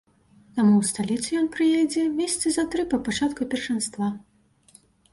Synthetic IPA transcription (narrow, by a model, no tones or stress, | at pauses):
t̪amuwst̪alʲit̪sɨjɔnpɾɨjejd͡zʲɛmʲesʲɐt̪sɨzɐt̪ɾɨpɐpat͡ʂat̪kupʲɛrʂɨnst̪va